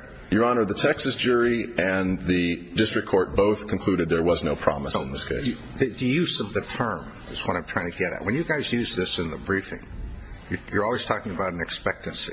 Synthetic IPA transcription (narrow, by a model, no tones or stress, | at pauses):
jə˞ɑnə˞ʌðɨtʰɛksɨsd̥ʒʊɹiɨ̃nðɨdɪstɹ̥ɨk̚ʰɔɹt̚b̥oʊθkʰn̩kʰl̥ʉɾɨd̪̚ðə˞wʌznoʊpʰɹ̥ɑ̰məsn̩ðɪskʰeɪs | ðɨðɨjʉzʌvðɨtʰɜ̃˞m | ɨzwʌ̃ɾãɪ̃mtʰɹ̥aɪɪ̃ŋtʰɨɡɛɾɨ̰ʔ̚wɨ̃njɨɡaɪzjʉzðɪsɨ̃nðəbɹifɪ̰̃ŋjə˞jə˞ɔlˠwiz̥tʰɔkɪ̃ŋɨbaʊɾn̩ɨkspɛk̚tɨ̃nsḭ